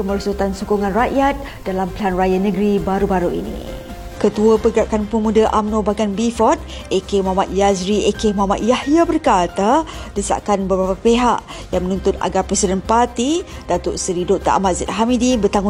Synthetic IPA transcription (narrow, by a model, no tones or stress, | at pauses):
kəməɾsut̪ansukuŋãnraʔjat̪̚ | d̥alampəlanrajanəɡɾibaɾubaɾuḭnḭ | kət̪uəpəɡɾaʔkanpəmudaʔamnobaɡanbifɔt̪̚ | ekemɦamat̪̚jazɾiʔekemoɦama̰t̪̚jahjabərkat̪adəsa̰ʔkanbəbɾapapeɦa̰ʔ | jaŋmənũnt̪ʊt̪a̰ɡapɾɛsidənpart̪id̥at̪ʊʔsəɾidoʔ̚t̪a̰ʔa̰mat̪zɛ̰t̪̚ɦamidibərt̪aŋʊ